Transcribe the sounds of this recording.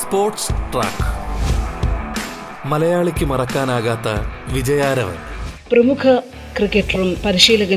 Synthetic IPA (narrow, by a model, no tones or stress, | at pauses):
spoːrʈsʈra̰ːk | mɐlɐjaːɭikʲːɨmɐrɐkːaːnaːɣaːt̪ːɐʋid͡ʑɐjaːɾɐʋḛprɐmukʰɐ | krikʲːeʈːɐrumpɐɾiɕiːlɐɣɐ